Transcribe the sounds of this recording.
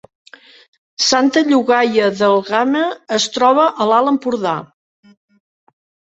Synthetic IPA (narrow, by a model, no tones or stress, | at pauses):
sant̪əʎuɣajəðəlˠɣaməːst̪ɾɔβ̞əʔəlaləmpuɾða̰